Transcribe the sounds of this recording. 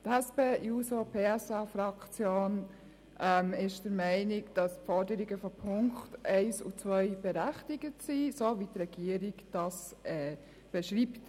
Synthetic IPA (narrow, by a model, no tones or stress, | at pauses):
tɛspeːusopʰeːɛsɛfɾɑkt͡sjoːn | ʔɛmɪʃd̥əɾmɛɪnɪɡd̥ɑspfɔɾdəɾiɡəfɔpʰʊŋktʔɛɪsṵt͡sʋœʏb̥ɛɾæχtɪɡ̥ətsisovitrɛɡ̥iəɾiɡd̥ɑsɛː | b̥ɛʃɾiːpt